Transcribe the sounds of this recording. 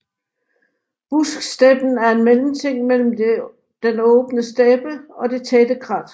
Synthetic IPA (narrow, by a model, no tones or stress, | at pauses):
b̥usɡ̥sd̥eb̥n̩æɐe̝nmelm̩t͡sʰe̝ŋ̰mel̰m̩ | d̥enɔ̽ːb̥nəsd̥ɛːb̥əɒ̽d̥e̝t͡sʰɛːd̥əkʰʁɑ̈d̥